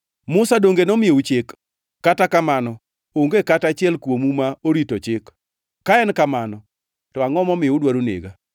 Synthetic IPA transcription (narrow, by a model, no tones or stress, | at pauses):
mʊsadoŋɡenomɪjeut͡ʃekː | atakamanɔ | oŋɡekatat͡ʃɪɛlkwomumaoɾitot͡ʃɪkː | aɛnkamanɔ | tɔaŋɔmɔmɪudwaɾunḛɡa